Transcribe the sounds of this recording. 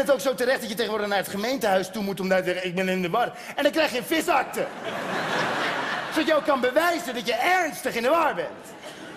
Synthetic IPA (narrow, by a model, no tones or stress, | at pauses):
ətowksowtəɾɛχtdɑtjətejχənʋʊːɹdəχnaːɹətχəmejntəɦœɥstumutɔmdaːtəzɛəɪɡ̚bɛnɪndəʋɑr | ɛndɑnkrɛjχjəənfɪsɑk̚tə | odɑtjəowkɑnbəʋɛjzəndɑtjəɛɹnstəχɪndəʋaːɹbɛnt